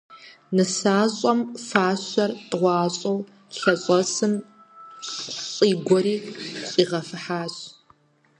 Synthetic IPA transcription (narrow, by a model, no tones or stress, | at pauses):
nɨsaːɕʼɔmfaːɕʷɐrtʼʁʷɑːɕʼɐw | ɬɐɕʼɔsɨm | ɕʼiːɡʷɔɾiːɕʼiːʁɐfɨħaːɕ